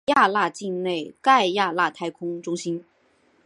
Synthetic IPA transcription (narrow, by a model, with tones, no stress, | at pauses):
ja˥˧la˥˧t͡ɕi˥˧nne˥˩ɪka˥˧ɪja˥˧la˥˩t̪ʰa˥ɪkʰʊ˥ŋʈ͡ʂʊ˥ŋɕi˥n